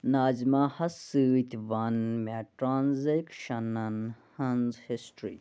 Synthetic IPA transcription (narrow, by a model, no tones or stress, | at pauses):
naːzmaːhɐsɨːt̪ʲʋɐnmeʈɾaːnzekʃɐnɐnhɐnzhisʈɾḭː